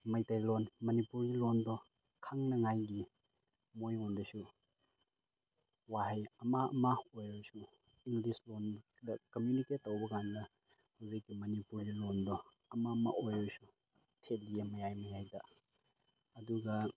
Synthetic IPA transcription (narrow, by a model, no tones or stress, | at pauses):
mɐjtajlonmɐnipuɾɡilondɔ | kʰaŋnɐŋajɡi | mojondɐsu | waɦejɐmaɐmaojojsu | iŋɡlislon | dɐkɐmjuniket̚ːowbɐkandɐ | hawzikːimɐnipuɾɡilondɔ | ɐmama̰ʔojojsu | tʰelijɐmɐjajmɐjajdɐ | ɐduɡɐ